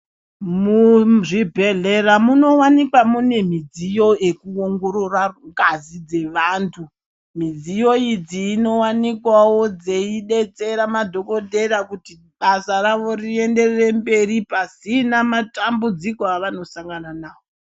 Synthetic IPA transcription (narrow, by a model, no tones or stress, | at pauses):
muʐibʱe̞ɮeramuno̞wanikwamune̞m̤id͡zijo̞ʔe̞kuoŋɡo̞ɾoraŋɡazid͡ze̞ʋaːntʰu | mid͡zijo̞id͡ziːno̞wanikwawo̞d͡ze̞iɗe̞t͡se̞ɾamadʱo̞ko̞dʱe̞ɾakuti | ɓasaɾaʋo̞rie̞nde̞rere̞mbe̞ripasinamatambud͡zikoaʋano̞saŋɡananaːwo